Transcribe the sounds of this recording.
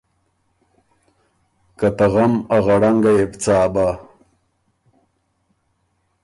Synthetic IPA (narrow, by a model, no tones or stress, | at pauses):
kat̪aɣamaɣaɽaŋɡajebt͡saːba